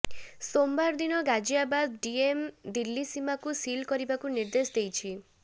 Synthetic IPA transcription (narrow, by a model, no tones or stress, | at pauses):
sombaɾd̪inɔɡad͡ʒiabad̪ɖiemd̪ilːisimakusilkɔɾibakuniɾd̪esd̪ejt͡ʃʰi